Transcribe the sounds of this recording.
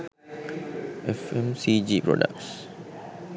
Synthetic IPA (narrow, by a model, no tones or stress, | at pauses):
ʔɛfɛ̃msid͡ʒipɹɔ̰də̰k̚s